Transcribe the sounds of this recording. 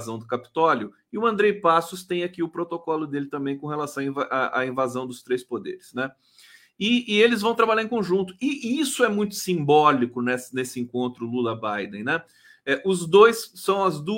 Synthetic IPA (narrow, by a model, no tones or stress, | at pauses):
zɐ̃w̃d̪ʊkapi̥t̪ɔljʊ | ɪʊɐ̃nd̪ɾejpasʊst̪ẽj̃akiʊpɾot̪okɔlʊd̪elɪt̪ɐ̃mbẽj̃kõhelasɐ̃w̃ɐĩvaʔaʔa̰ĩvazɐ̃w̃d̪ʊst̪ɾejspod̪ḛɾɪsnɛ | ɪːelɪzvɐ̃w̃t̪ɾabaʎaɾẽkõʒũnt̪ʊɪisʊɛmũj̃t̪ʊ̥sĩmbɔlikʊnɛsnesɪẽŋkõnt̪ɾʊlulɐbajd̪ẽj̃nɛ | ɛʔʊzd̪ojsːɐ̃w̃ɐzd̪u